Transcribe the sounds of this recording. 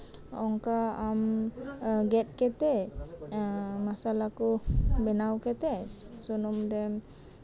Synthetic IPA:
ɔŋkaam | ɡɛt̪̚kɛt̪ɛ | masalakubɛnawkɛt̪ɛsunumd̪ɛm

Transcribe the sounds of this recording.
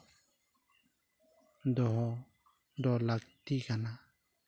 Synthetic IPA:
d̪ɔɦɔ | d̪ɔlaɡt̪ikana

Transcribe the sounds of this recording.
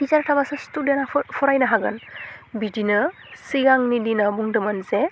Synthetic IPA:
dizaɾtʰabasɯstudjenapʰɔɾajnaɦaɡɯ̰nbidinɯ | siɡaŋnidinabuŋdɯmanze

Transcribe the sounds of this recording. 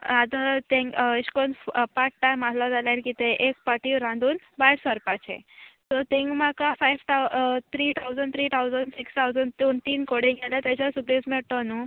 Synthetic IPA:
ad̪ət̪ẽŋɡiɕkonpaʈ̚ʈajmaslad͡zalalkit̪eʔek̚pəʈiɾãnd̪uːn | bajsʋəɾpat͡ɕḛ̃t̪ɔt̪ẽŋɡmakafajʋt̪at̪ʰɾiːt̪ʰawd͡zəɳɖt̪ʰɾiːt̪ʰawd͡zəɳɖsikst̪ʰawd͡zəɳɖt̪uːnt̪iːnkoɽĩŋɡelat̪jat͡ɕasubesmiɭt̪ɔnu

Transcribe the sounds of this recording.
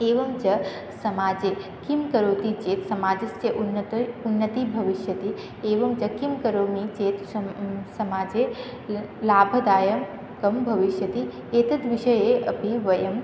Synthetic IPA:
eːʋɐmt͡ʃɐ | sɐmaːd͡ʒekimkɐɾoːt̪it͡ʃeːt̪sɐmaːd͡ʒɐst͡ʃɐʔnunːɐt̪ibʱɐʋiʃjɐt̪i | eːʋɐmt͡ʃɐkimkɐɾoːmit͡ʃeːt̪sɐmaːd͡ʒe | laːbʱɐd̪aːjɐm | kɐmbʱɐʋiʃjɐt̪i | eːt̪ɐd̪ʋiʃɐjeɐ̰piʋɐjɐm

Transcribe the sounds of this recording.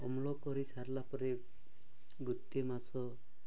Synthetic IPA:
ɔmlɔkɔɾisaɾlapɔɾe | ɡut̪ːemasɔ

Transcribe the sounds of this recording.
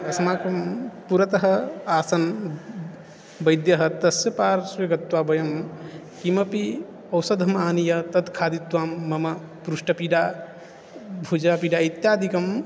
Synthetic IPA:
ɐsɐmakɐmpuɾɐt̪ɐɦɐaːsɐn | bɐjd̪jɐɦɐt̪ɐsjɐpaːɾsweɡɐt̪ːwaːbɐjɐm | kimɐpi | ɐwsɐd̪ɐmaːnijɐt̪ɐd̪kʰaːd̪it̪ːwaːmːɐmɐ | pɾusʈɐpiɖa | bʱud͡ʒapiɖait̪jaːd̪ʱikɐm

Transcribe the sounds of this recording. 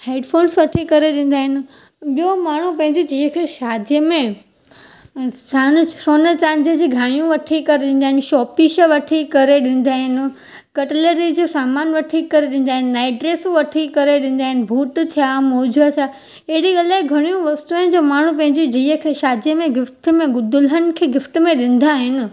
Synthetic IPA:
heːɖpʰoːnsʋɐʈʰikɐɾeɗĩːn̆d̪aːɦɪnɪ̆ | ɓijomaːɳ̤upɐ̃ɦɪ̃ɲd͡ʑid͡ʑiːəkʰeʃaːd̪ʱijəmẽ | t͡ɕansoːnət͡ɕãːnd͡ʑəd͡ʑiːɡʱaːjũʋɐʈʰikɐɾeɗĩːn̆d̪aɦɪnɪʃɔːpiʃəʋɐʈʰikɐɾeɗĩːn̆d̪aːɦɪnɪ̆ | kɐʈɪləɾid͡ʑoːsaːmaːnʋɐʈʰikːɐɾeɗĩn̆d̪aːɦɪnɪːaːɪɖɾeːsũʋɐʈʰikɐɾeɗɪ̃ːn̆d̪aːɦɪnɪ̆bʱuːʈt̪ʰijamoːd͡ʑʱət̪ʰija | eɦɪɽiɡɐlaːɪɡʱɐɽ̃ijũʋɐst̪uə̃nd͡ʑoːmaːɳ̤ũpɐ̃ɦɪ̃ɲd͡ʑid͡ʑiːəkʰeːʃaːd̪ʱijəmẽɡɪft̪ə̆mẽɡʊd̪ʊlənɪ̆kʰeːɡɪfʈmẽɗɪ̃n̆d̪aːɦɪnɪ̆

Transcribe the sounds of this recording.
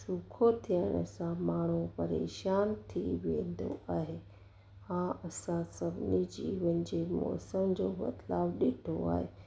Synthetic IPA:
sukʰot̪ʰijəɽ̃əsãmaːɳ̤upɐɾḛːʃaːnt̪ʰiʋḛ̃ːnd̪o̰ʔaːɦeː | ãɐsãsɐbʱnid͡ʑiːʋənɪ̆d͡ʑemɔ̰ːsəmd͡ʑoːmɐ̰t̪laːbɗeʈʰoa̰ːɦe

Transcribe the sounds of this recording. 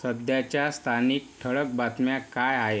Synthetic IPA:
səd̪jat͡ɕjast̪ʰaniːk̚ʈʰəɭək̚bat̪mjakajaɦe

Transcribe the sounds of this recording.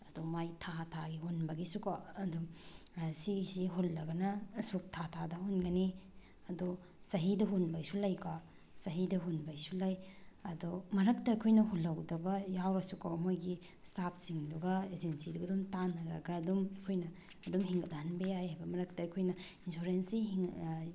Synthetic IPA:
ɐdumajtʰatʰaɡihunbɐɡisukaɐdu | sisiɦolːɐɡɐnɐsuk̚tʰatʰadɐhunɡɐni | ɐdu | sɐɦidɐɦunbajsulɐjka | sɐɦidɐɦunbajsulɐjɐdɔmɐɾɐk̚tɐɐkʰojnɐɦolːɐwdɐbɐjawɾɐsukawɐmojɡi | stap̚siŋduɡɐed͡ʒensiduɡɐdumtanːɐɾɐ̰ɡɐːdumɐkʰojnɐː | dumɦiŋɡɐtanbeajhajbɐmɐɾɐk̚tɐɐkʰojnɐ | insoɾensiɦiŋ

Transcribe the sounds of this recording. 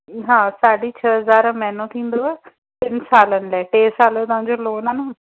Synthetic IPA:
ɦãːsaːɖiːt͡ʃʰəːɦəzaːɾãːmɛ̃ːnõːt̪ʰĩːnd̪oːɛː | t̪ɪnsaːlənlɛːʈeːsaːlẽːt̪ʊãːd͡ʒoːloːnaːnaː

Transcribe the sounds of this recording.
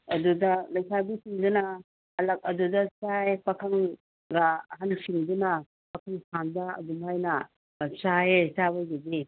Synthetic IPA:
ɐdudɐlɐjsʰabisiŋdunɐ | ɐlɐk̚ɐdudɐsajpɐkʰɐŋ | ɡaɦɐnsiŋdunɐ | pɐkʰɐŋsʰandɐɐ̰dumhajnɐ | saesawajɡedi

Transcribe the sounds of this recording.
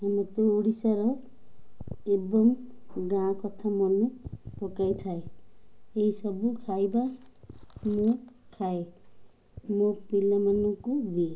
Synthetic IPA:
amʌt̪oːɽisaɾʌ | ebʌmɡãkʌt̪ʰamonepɔkajt̪ʰae | eɦisʌbukʰajba | mokʰae | mokpilamanukud̪ie

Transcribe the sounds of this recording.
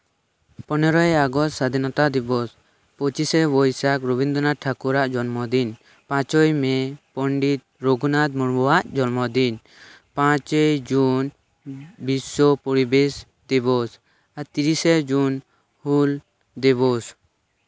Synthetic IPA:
pɔnɔɾɔjaɡɔst̪sad̪ʱinɔt̪ad̪ibɔs | pɔt͡ʃisɛbɔjsakɾɔbind̪ɔnaʈʰakuɾaʔd͡ʒɔnmɔd̪in | pãt͡ʃɔjmɛpɔɳɖit̪̚ɾoɡunad̪̚mɔɽbɔwaʔd͡ʒɔnmɔd̪in | pãt͡ʃɛd͡ʒun | bisɔpɔɾibes | d̪ibɔs | aɾt̪iɾisɛd͡ʒun | hul | d̪ɛβɔs

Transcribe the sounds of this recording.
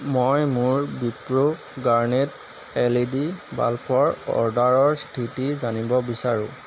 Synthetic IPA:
mɔjmʊɹbipɹo | ɡaɹnet | elidiba̰lpʰɔɹɔ̰ɹdaɹɔɹstʰitizanibɔbisaɹʊ̰̃

